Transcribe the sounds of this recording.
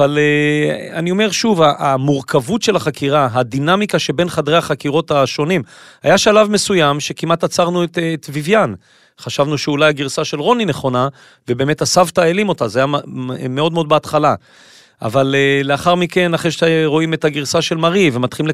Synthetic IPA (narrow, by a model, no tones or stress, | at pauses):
valeanio̞me̞ʁʃuvaʔamuʁkʰavutʃe̞laχakʰiʁaɦadinamikaʃe̞be̞nχadʁeaχakiʁo̞taʃo̞nim | hajaʃalavme̞sujamʃe̞kimat̪at͡saʁnuett̪vivjan | χaʃavnuʃeulajaɡiʁsaʃe̞lʁo̞nine̞χo̞na | vebeːmetasavtaelimo̞tazajameo̞dmeo̞d̪beat̪χala | a̰valeleaχaʁmike̞naχeʃeʁo̞imet̪haɡiʁsaʃe̞lmaʁivemat̪χilimle